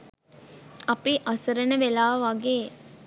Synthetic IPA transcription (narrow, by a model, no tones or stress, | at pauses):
ɐpiʔɐsuɾənəʋelaːʋɐɡeː